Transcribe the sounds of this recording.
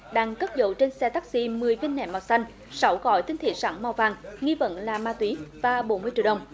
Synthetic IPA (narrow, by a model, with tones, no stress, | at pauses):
ɗaː˧ŋkə˦˥p̚zo̰˧˨wt͡ɕe˧nsɛ˧t̪aː˦˥k̚sḭ˧mɨ˨˩əjvi˧nːɛ̰˧˩ma˨˩w̚sa˧jŋ̟ | sa˨˦wɣɔ̰˧˨jt̪ï˧ŋt̪ʰḭ˧˨sa̰ː˧˩ŋma˨˩wvaː˨˩ŋŋi˧və̰˧˨nlaː˨˩maː˧t̪wi˨˦vaː˨˩ɓo˨˦nmɨ˧əjt͡ɕḭ˧˨ɗə˨˩wŋ͡m